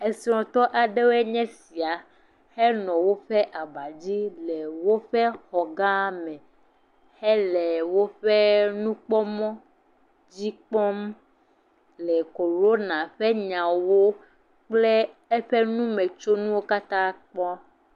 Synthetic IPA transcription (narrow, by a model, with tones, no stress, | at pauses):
e˨si˨˦ɾɔ̃˨t̪ɔ˦ʔa˨ɖe˦wo˦ɛ˦ɲɛ̃˦si˨a˨ | hɛ˦nɔ̃˨wo˦ɸɛ˦ʔa˨ba˨d͡ʑi˦lɛ˨wo˦ɸɛ˦xɔ˨ɡã˦mɛ̃˨ | hɛ˦lɛ˨wo˦ɸe˦nũ˦k͡pɔ˦mɔ̃˦ | d͡ʑi˦k͡pɔ˦m | lɛ˨ko˨ɾo˦nã˨ɸɛ˦ɲã˨wo˦ | k͡plɛ˦ | e˦ɸe˦nũ˦mɛ̃˨t͡ʃo˦nũ˦wo˦ka˦t̪ã˦k͡pɔ˦